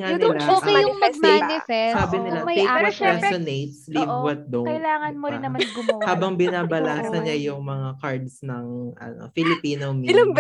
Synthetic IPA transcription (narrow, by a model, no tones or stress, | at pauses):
ŋanɪlaoːkejʊŋmɐɡ̚maɪsɛsaːbɪnɪlamɐj̪ɛjkːwɐɾɛsonejt̪̚slivwɐt̪̚d̪okɐjlaːŋɐnnmoɾɪnːɐmɐɡʊmohaːbɐŋbɪnaːbɐlaːsɐnɲajʊŋmɐŋakaɹd̪snɐŋʔɐ̰no̰fɪlɪpiːnomlɐ